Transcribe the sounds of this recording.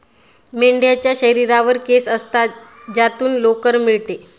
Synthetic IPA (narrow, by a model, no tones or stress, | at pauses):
meɳɖjat͡ɕjaɕəɾiɾaʋəɾkesəst̪a | d͡ʑat̪uːnlokəɾmiɭt̪e